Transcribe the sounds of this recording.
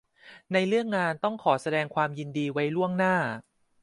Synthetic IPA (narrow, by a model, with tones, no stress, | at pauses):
na˧jlɯ˥˩əŋːaː˧nt̪ɔ˥˩ŋkʰɔː˩˦sa˧dɛː˧ŋkʰwaː˧mji˧ndiː˧wa˦˥jlu˥˩əŋnaː˥˩